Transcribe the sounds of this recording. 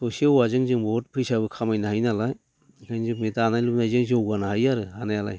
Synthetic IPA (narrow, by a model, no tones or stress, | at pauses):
sosialwazɯŋzɯŋbɔt̚pʰɯjsabɯkʰamajnaɦajnalaj | kʰajnzɯmitanajlup̚najzɯŋzowɡanaɦajaɾɯhanajala̰j